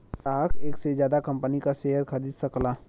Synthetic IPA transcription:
aːkʰeːksezjaːd̪akɐ̃mpənikaseːɦəɾxɐɾiːd̪sɐklaː

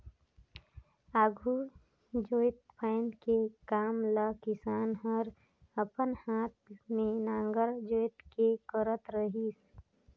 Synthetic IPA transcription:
aːɡʱu | d͡ʒoːɪt̪pʰəɪnd̪kekaːmləkɪsaːnɦəɾ | əpənhaːt̪̚mẽnãːŋɡəɾd͡ʒoːt̪kekəɾət̪ɾəɦis

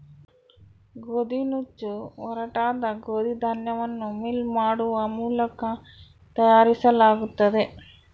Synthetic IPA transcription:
ɡod̪inut͡ʃːuɔɾɐʈaːd̪ɐɡoːd̪id̪ʱɐnjɐʋɐnːumilmaːɽuʋɐmuːlɐkɐ | t̪ɐjaːɾisɐlaːɡut̪ːɐd̪e

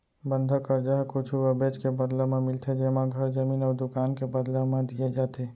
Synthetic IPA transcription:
bənd̪ʱəkəɾd͡ʒaɦkut͡ʃʰuəbet͡ʃkebəd̪ləmemɪlt̪ʰed͡ʒemaɡʱəɾd͡ʒəminɔːɾd̪ukaːnkebəd̪ləmẽd̪ijed͡ʒat̪e

